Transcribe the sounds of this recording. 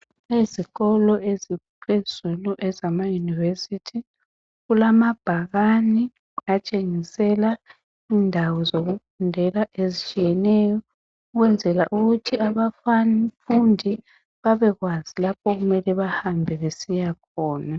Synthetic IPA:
eziɣɔlɔezipʰez̥uluʔɛzamajunivesitʰi | ɣulamab̥ʱaɣani | at͡ʃʼeŋisɛla | iːndʱawɔzoɣufundʱɛlaʔezit͡ʃʼijɛnɛjɔ | uɣwɛnd͡zʱɛla̰ʔuɣutʰiaβaffundʱi | βaβɛɣwazilapʰɔɣumɛlɛβahambʱɛβesijakʰɔːna

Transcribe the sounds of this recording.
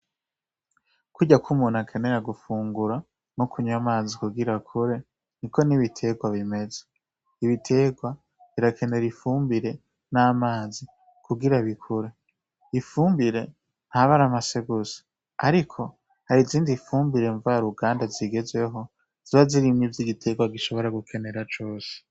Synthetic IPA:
kuɟakʰumuːnhakʰe̞neɾaɡufuːŋɡuɾa | nokʰuɲwamaːzikuɡiɾakʰuɾe̞ | nikʰo̞niβitʰe̞ɡwaβime̞ze | iβitʰe̞ːɡwa | βiɾakʰe̞ne̞ɾifuːmbiɾe̞ | naːmaːzi | kʰuɡiɾaβikʰuɾe̞ | ifuːmbiɾe̞ | nhaβaɾamaseɡuze̥ | aɾikʰo̞ | haɾiziːndifuːmbiɾe̞ɱvaaɾuɡaːndaziɡe̞zwe̞ɦo̞ | z̥iβaziɾimɲivjiɡitʰe̞ːɡwaɡiʃo̞βo̞ɾaɡukʰe̞ne̞ɾat͡ʃo̞ːse̥

